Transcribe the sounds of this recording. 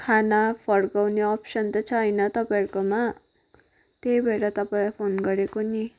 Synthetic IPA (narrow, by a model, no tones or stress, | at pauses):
kʰanapʰʌɽkawneʌpsʌnt̪ʌt͡sʰʌʌjnʌt̪ʌpaerkoma | t̪ejbʱeɾat̪ʌpailajpʰonɡʌɾekoni